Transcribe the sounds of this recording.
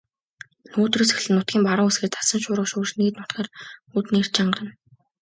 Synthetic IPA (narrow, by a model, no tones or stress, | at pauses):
noːt̪riːsex̆ɮɘ̆nːʊt̪̚ɡʲiːmpaɾʊːŋesɡeːt̪ḁsə̆nʃʊːɾə̆ʃʊːʃniːt̪nʊt̪ɡaːrut̪ner̥t͡ɕaɴɢə̆rə̆n